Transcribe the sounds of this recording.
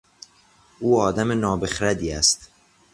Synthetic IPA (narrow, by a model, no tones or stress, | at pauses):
ʔuːɒːd̪æmenɒːbexɾæd̪iːæst̪